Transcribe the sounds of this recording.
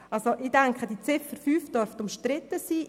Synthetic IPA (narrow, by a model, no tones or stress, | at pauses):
ɑlsoʔɪdɛŋkʰχəd̥it͡sɪfəɾfyːfd̥œɾftʊmʃtɾɪtːəsiː